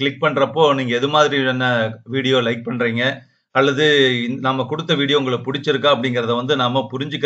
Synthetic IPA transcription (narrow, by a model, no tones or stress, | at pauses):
kɭɪk̚pɐɳɾɐpːoːniːŋɡɐɛðɯmaːðɪɾiɛnːɐʋiːɽɪjoːlɐɪk̚pɐɳːɾiːŋɡɐ | ɐlːɐðɯɪnɐmːɐkʊɽɯt̪ːɐʋiːɽɪjoʊŋɡɐɭɯkpʊɽɪt͡ʃːɪɾɯkːãːɐpːɐɽɪŋɡɪɾɐðɐʋɐnd̪ɯnɐmːɐpʊɾɪɲd͡ʒɯkː